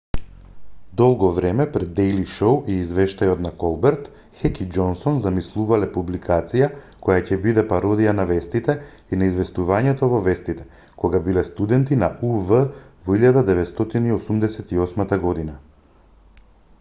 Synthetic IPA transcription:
d̪ɔlˠɡɔvɾɛmɛpɾɛd̪ːɛjliʃowiːzvɛʃt̪ajɔt̪nakɔlˠbɛɾt̪ | xɛkid͡ʒɔnsɔnzamislˠuvalɛpublikʰat̪sija | kɔjacɛbid̪ɛpaɾɔd̪ijanavɛst̪it̪ɛ | inaizvɛst̪uvaɲɛt̪ɔvɔvɛst̪it̪ɛ̥ | kɔɡabilɛst̪ud̪ɛnt̪inaʔuvəvɔiʎad̪ad̪ɛvɛt̪st̪ɔt̪iniɔsumd̪ɛsɛt̪iɔsmat̪aɡɔd̪ina

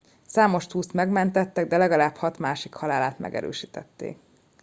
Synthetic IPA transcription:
saːmo̞ʃt̪uːst̪mɛɡmɛnt̪ɛt̪ːɛɡd̪ɛlɛɡɒlaːphɒt̪maːʃikhɒlaːlaːt̪mɛ̰ɡɛ̰ɾø̰ːʃiːt̪ɛt̪ːḛːk

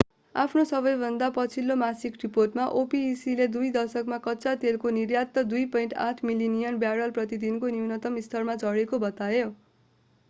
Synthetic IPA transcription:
a̰pʰnosʌβʌjbʱʌnd̪apʌt͡sʰilːomasikriporʈmaʔopiːsiled̪ujd̪ʌrsʌkmakʌtːsat̪elkonirjat̪ːʌd̪ujpʌjĩɳʈa̰tʰmilinijʌnbjaɾʌlprʌt̪id̪inkoniwnʌt̪ʌmist̪ʰʌrmad͡zʱʌɽekobʌt̪ajo

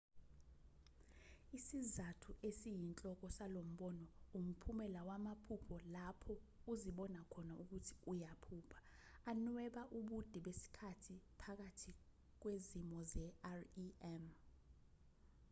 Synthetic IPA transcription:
isizatʰuʔesijint͡ɬʼɔk̬ɔsalom̩ɓɔnɔum̩pʰumɛlawamapʰupʰɔlapʰɔuziɓɔnakʰɔnaʔuk̬utʰi̥ujapʰuːpʰḁː | nwɛɓaʔuɓud̥ʱiɓesi̥kʰatʰipʰak̬atʰi | k̬wezimɔzɛarɛm

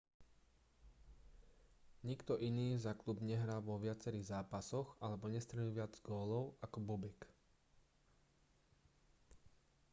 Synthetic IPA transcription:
ɲikt̪ɔʔiniːzaklubɲɛɦɾaːʋɔʋɪat͡sɛɾiɣzaːpasɔɣalɛbɔɲɛst̪ɾɛɲuʋɪad͡zɡɔːlɔʊʔakɔbɔbɛk

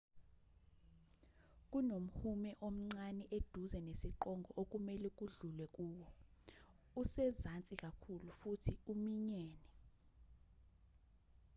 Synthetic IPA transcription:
k̬ʼunom̩humɛʔom̩ŋ͡ǀanɛʔed̥ʱuzɛnesiǃɔŋɡʱɔʔok̬ʼumɛlɛk̬ʼuɮulwɛk̬ʼuːwɔ | usɛzant͡sʼikʼakʰulufutʰiumiɲɛːnɛ

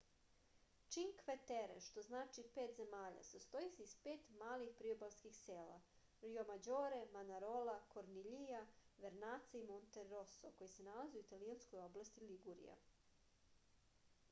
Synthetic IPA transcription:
t͡ʃiŋkʋet̪eɾḛʃt̪o̞znaːt͡ʃipeːt̪ze̞maːʎa̰sast̪ojiseispeːt̪maːlixpɾiobalˠskixseːla̰ | ɾijomad͡ʑoːɾemanaɾo̞lakoɾniʎijaʋeɾnaːt̪saimont̪eːosoko̞jise̞nalazeuit̪aliansko̞jo̞blast̪iliɡuɾḭja̰

